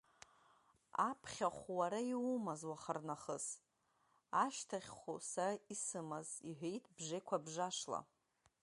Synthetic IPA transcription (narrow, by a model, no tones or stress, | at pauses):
apʰχʲaχʷwaɾaiwumazwaχarnaχəs | aʃtʰaχʲχʷusaraisɨmaziħʷᶣejtʰbʐejkʷʰabʐaʂla̰